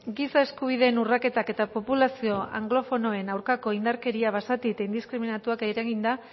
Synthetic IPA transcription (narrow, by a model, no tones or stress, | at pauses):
ɡisae̞skuβ̞iðe̞nurake̞t̪ake̞t̪apo̞pulasio̞ʔa̰ŋɡlo̞fo̞no̞e̞nawɾkako̞ind̪aɾke̞ɾiaβasat̪it̪aind̪iskɾiminat̪uakeɾeɣind̪a